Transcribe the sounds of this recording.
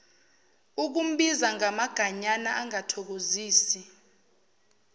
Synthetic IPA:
uk̬um̩ɓizaŋamaɡ̥ʱaɲanaʔaŋatʰɔk̬oziːsi

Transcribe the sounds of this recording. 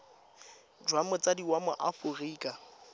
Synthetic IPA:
d͡ʒwamʊt͡sʼadiwamʊʔafʊriːkʼa

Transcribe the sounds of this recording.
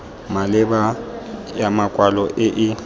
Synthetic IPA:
malɪbajamakʼwalɔʔɪʔɪ

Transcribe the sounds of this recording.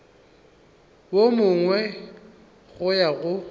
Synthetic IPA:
bomʊŋwɛ | ɣʊjaɣʊ

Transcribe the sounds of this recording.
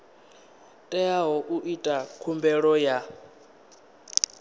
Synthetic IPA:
tʼɛaɦɔʔuʔitʼakʰumbɛɺɔja

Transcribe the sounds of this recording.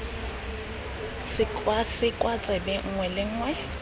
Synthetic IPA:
sɪkʼwasɪkʼwat͡sʼɛbɛŋ̩ŋwɛlɪŋ̩ːŋwɛ

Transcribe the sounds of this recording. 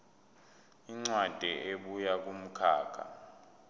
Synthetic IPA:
iŋ͡ǀwad̥ʱɛʔeɓujak̬um̩kʰa̰ːkʰa̰

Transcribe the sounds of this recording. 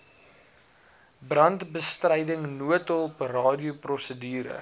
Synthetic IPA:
brɐntbəstrɐjdəŋnuətɔlˠprɑːdiuprɔsədiːɾə̰

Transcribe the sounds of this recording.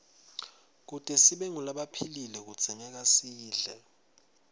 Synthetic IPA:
k̬utʼɛsiɓɛŋulaɓapʰililɛk̬u̥z̥ʱiɲɛk̬asiːɮɛ

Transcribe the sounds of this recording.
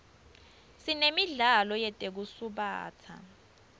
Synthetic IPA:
sinemiɮalɔjɛtʼek̬usuɓa̰ːtʰa̰

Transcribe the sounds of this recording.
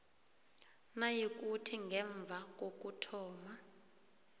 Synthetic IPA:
najik̬ʼutʰiŋɡʱɛɱb̪vʱak̬ʼok̬ʼutʰɔːma

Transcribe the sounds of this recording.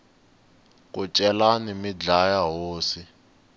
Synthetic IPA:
k̬ʼut͡ʃʼɛlanimid͡ɮajaɦoːsi

